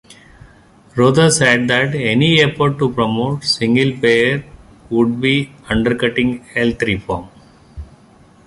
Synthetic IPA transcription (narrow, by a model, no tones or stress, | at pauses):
ɾoːd̪əɾseɖ̚d̪æʈeniefɔɾʈːupɾɔmoːʈsɪ̃ŋɡɪlpeːəɾ | ʋʊɖ̚biːʌ̃ɳɖəɾkʌʈɪ̃ŋɡɛlt̪ɾifɔːm